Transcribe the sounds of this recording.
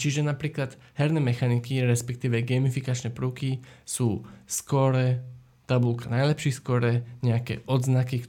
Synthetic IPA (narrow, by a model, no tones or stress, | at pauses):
t͡ʃiʒɛnapɾiːklad̪̥hɛɾnɛːmɛxanikiɾɛspɛk̚t̪iːʋɛɡɛːmifikat͡ʃnɛpɾuːkisuːskɔɾɛ | t̪abulkanajlɛpʃiːskɔɾɛɲɛakɛ̰ːʔɔd̪znakik